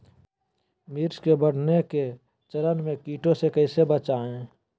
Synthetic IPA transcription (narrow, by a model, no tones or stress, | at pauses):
miɾskebəɽ̤neke | t͡ʃəɾənmẽkiːʈõsekəɪsebət͡ʃaːẽ